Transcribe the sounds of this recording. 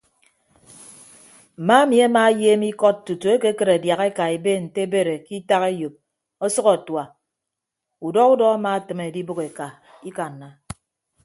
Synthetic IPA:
m̩˨ma˦mi˨a˦ma˦jeː˦mi˦kɔ˦t̚tu˨tu˨e˦ke˦kɨ˨ɾe˨dja˨ɣe˦ka˨e˨be˦n̩˨te˦e˦be˦ɾe˨ki˦ta˦ɣe˦jo˨p̚ | ɔ˦sɔ˦ɔ˨twa˨ | u˨dɔ˦ku˦dɔ˦a˦ma˦˨tɨ˨me˨di˦bo˦ke˨ka˨ | i˦ka˨n̩ː˨a˨

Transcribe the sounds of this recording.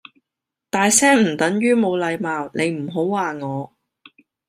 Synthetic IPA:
t̪aː˨jsɛː˥ŋm̩˨˩t̪ɐ˨˥ŋjyː˥mo˨˧wlɐ˨˧jmaː˨wne˨˧jm̩˨˩ɦo˨˥wːaː˨ŋɔː˨˧

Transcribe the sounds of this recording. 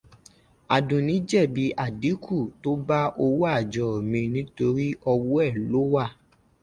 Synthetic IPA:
a˨dũ˨nĩ˨˦d͡ʒɛ˦˨bi˨˦ʔa˦˨di˨˦kʰu˦˨to˦ba˦ʔo˧wu˦a˦˨d͡ʒɔ˨mĩ˧nĩ˦to˧ɾi˦ɔ˧wo˦ɛ˦˨lo˨˦wa˦˨

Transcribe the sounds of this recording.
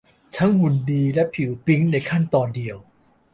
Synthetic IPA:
t̪ʰa˦˥ŋhu˨˧˩ndiː˧lɛ˦˥pʰi˨˩˦wpi˦˥ŋna˧jkʰa˥˩nt̪ɔː˧ndi˧əw

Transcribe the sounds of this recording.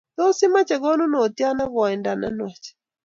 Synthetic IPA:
tɔ˦si˦ma˦t͡ʃɛ˨ɣɔ˦nu˦nɔ˨ti˦a˦na˦ɣɔ˨a˨ɛ˨nda˨na̰˦nwa˨t͡ʃɛ̥˨

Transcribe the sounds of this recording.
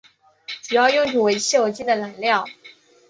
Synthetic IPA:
ʈ͡ʂu˨˩jɑ˥˧ʊjʊ˥˩ŋʈ͡ʂu˨˩we˧˥ɪt͡ɕʰi˥˩wɔ˨˩t͡ɕi˥˩d̪ə˨˩la˨˩˥nljɑ˥˩ʊ

